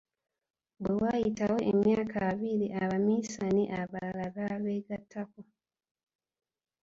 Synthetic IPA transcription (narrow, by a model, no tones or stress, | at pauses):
ɡewajitawoʔḛmjaːkʰaβiliʔaβamisaniʔaβalalaɡaβeɡatako